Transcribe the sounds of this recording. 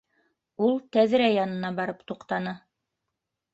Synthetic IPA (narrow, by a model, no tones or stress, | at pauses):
ulˠt̪æðɾæjɑnɤ̆nɑbɑɾɤpt̪uqt̪ɑnɤ